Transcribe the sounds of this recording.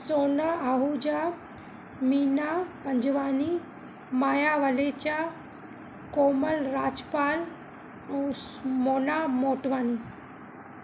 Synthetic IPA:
soːnaaɦud͡ʒa | miːnapɐɲd͡ʒʋaːni | maːjaʋəlet͡ɕa | koːməlɾaːd͡ʒpaːl | moːnaːmoːʈʋaːni

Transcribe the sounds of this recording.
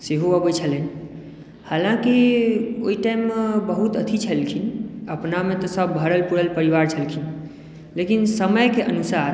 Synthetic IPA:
seɦoəbət͡ʃʰələni | halãkio̰iʈaimːebəɦut̪ət̪ʰit͡ʃʰəlkʰinəpnamet̪ɔsəbːʱəɾəlpuɽəlpəɾiʋaɾt͡ʃʰəlkʰin | lekinsəməjkeʔənusaɾ

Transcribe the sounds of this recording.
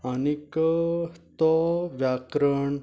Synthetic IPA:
anikət̪ɔʋjakɾəɳ

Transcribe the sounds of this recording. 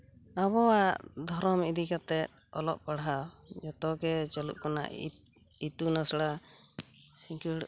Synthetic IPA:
aβɔwaʔʔd̪ʱɔɾɔmid̪ikat̪ɛt̪̚ɔlɔʔpaɽɦad͡ʒɔt̪ɔɡɛt͡ʃəlṵʔ̚kɔna̰ | it̪unasɽa | sĩŋkiɽ

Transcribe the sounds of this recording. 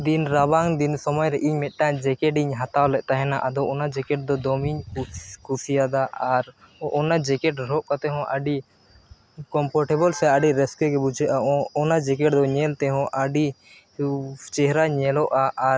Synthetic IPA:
d̪inɾabaŋd̪insɔmɔjɾɛʔiɲmɛt̪̚ˀʈad͡ʒɛkɛɖiɲɦat̪awlɛʔ̚t̪aɦɛnaʔad̪ɔʔɔnad͡ʒɛkɛʈ̚d̪ɔd̪ɔmiɲkusijad̪aʔaɾ | ʔɔnad͡ʒɛkɛʈɾɔʔkat̪ɛɦɔ̃ʔaɖi | kɔmpʰɔɾʈɛbɔlsɛaɖiɾɛskɛkɛbud͡ʒʱɛʔaɔnad͡ʒɛkɛʈd̪ɔɲɛlt̪ɛɦɔ̃ʔəɖi | t͡ʃɛɦɾaɲɛlɔʔaʔːɾ

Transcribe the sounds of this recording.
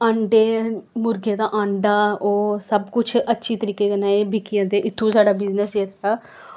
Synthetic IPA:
ə̃ɳɖeːmʊɾɡeːd̪aːʔãɳɖaːoːsəbkʊt͡ʃʰətːʃʰiːt̪əɾiːkeːkənaːeːbɪkijãːd̪eːʔɪt̪ʰːũːsaːɖaːbɪznəseːt̪ʰaː

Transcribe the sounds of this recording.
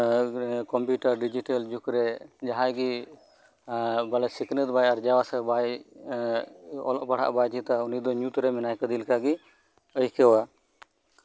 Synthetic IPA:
kɔmpjuʈəɾɖid͡ʒiʈəld͡ʒukɾɛd͡ʒaɦãjɡi | balɛsiknət̪bajaɾd͡ʒawasɛbaj | ɔ̰lɔʔpaɽ̤a̰ʔbat͡ʃit̪aunid̪ɔɲut̪ɾɛmɛnajkəd̪ilkaɡi | əjkɛwa

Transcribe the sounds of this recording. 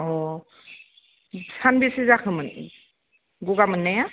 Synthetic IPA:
ɔ | sanbisizakʰɯmɯn | ɡuɡamɯnːaja

